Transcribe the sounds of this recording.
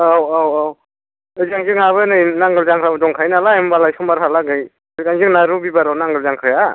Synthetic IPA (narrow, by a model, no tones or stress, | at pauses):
awawaw | ɯzaŋd͡ʒɯŋaβɯnɯjnaŋɡɯlzaŋkʰɾabdɔŋkʰajnalaembalajkʰɯmbaɾɦalaɡɯj | ɯkaŋzɯŋnaɾubibaɾawnaŋɡɯlzaŋkʰɾɯja